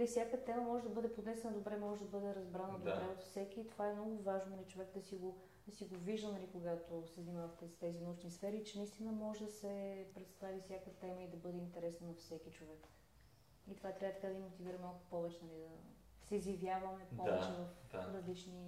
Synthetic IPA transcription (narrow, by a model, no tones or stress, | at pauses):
nɐlifsʲjakət̪ɛməmɔʒɛd̪ɐbɤd̪ɛpod̪nɛsɛnɐd̪obɾɛmɔʒɛd̪ɐbɤd̪ɛɾɐzbɾanəd̪obɾɛot̪fsɛkiːt̪ovaɛmnɔɡʊvaʒnonɐlit͡ʃovɛkd̪ɐsiɡo | d̪ɐsiɡoviʒd̪ənɐlikoɡat̪osɛznʲimavɐft̪ɛst̪ɛzinɐut͡ʃnisfɛɾiːt͡ʃɛnist̪inəmɔʒɛd̪ɐsɛpɾɛt̪st̪avifsʲjakət̪ɛməid̪ɐbɤd̪ɛint̪ɛɾɛsnənɐfsɛkit͡ʃovɛk | it̪ovat̪ɾʲavət̪ɐ̥kad̪imːot̪iviɾɐmalˠkʊ̥pɔvɛt͡ʃɛnɐlid̪ɐ | sɛizjɐvjavɐmɛppɔvɛt͡ʃɛvɐfɾɐzlit͡ʃni